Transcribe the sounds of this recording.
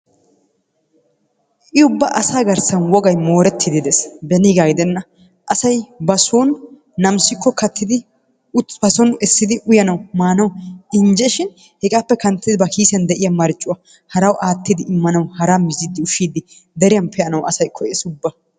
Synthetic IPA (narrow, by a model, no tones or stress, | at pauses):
ʔɪʊbːɐʔɐsaːɡɐɾsɐnwɔɡɐjmo̞ːɾɛt̪ʰːɪd̪ɪd̪ɛsbɛnɪɡaːɡɪd̪ɛnːɐ | ʔɐsɐjbɐsoːnː | ɐmsɪkːɔkɐt̪ʰːɪd̪ɪ | ʊbɐsɔnɛsːɪd̪ɪʔʊjɐnɐwmaːnɐwɪnd͡ʒɛʃɪn | hɛkʼaːpːɛkɐnt̪ːɪd̪ɪbɐkʰiːsɪjɐnd̪ɛʔɪjɐmɐɾt͡ʃʼːʊwɐ | hɐɾɐwʔaːt̪ːɪd̪ɪʔɪmːɐnɐwhɐɾaːmɪzid̪ːɪʊʃiːd̪ɪ | d̪ɛɾɪjɐnpʰɛɐnɐwʔɐsɐjkʰːɔɛsʊbːɐ